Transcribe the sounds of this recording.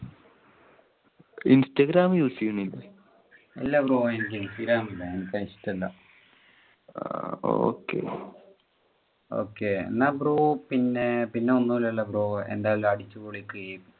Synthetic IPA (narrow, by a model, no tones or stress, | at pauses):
instɐɡɾaːmjuːsikːuɳilːe | ḛlːɐbroːenik̬ʲːesiɾaːmilːɐenikʲːɐistːɐlːɐ̰ | o̰ːkːḛ | o̰ːkːenabɾoːpinːepinːeonːulelːɐbroːḛnd̪aːjɐlɐɽit͡ɕːɨboːɭikːɨe